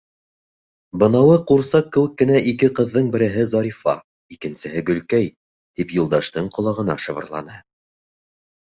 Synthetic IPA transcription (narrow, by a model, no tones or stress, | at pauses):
bɤ̆nɑwɤquɾsɑqːɘ̆wɘkːɘ̆næʔikɘqɤ̆ðːɤɴbɘ̆ɾɘ̆ɦɘzɑɾifɑ̰ | ikɘ̆nsɘ̆ɦɘɡɵ̆lkæj | t̪ipjulˠd̪ɑʃt̪ɤɴqŏlˠɑʁɤ̆nɑ̰ʃɤ̆βɤ̆ɾlˠɑ̰nɤ